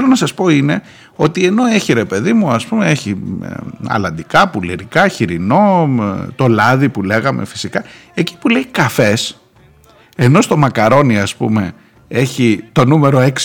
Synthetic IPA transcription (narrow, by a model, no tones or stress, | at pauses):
elo̞nɐsɐspo̞ine̞ | o̞t̪ie̞no̞e̞çiɾe̞pe̞ðimuɐspume̞e̞çi | ɐ̰lɐnd̪ikɐpuliɾikɐçiɾino̞t̪o̞lɐðipule̞ɣɐmḛfi̥sikɐ | e̞ci̥pule̞ikɐfe̞s | e̞no̞st̪o̞mɐkɐɾo̞niɐspṵme̞ | e̞çit̪o̞nume̞ɾo̞e̞ks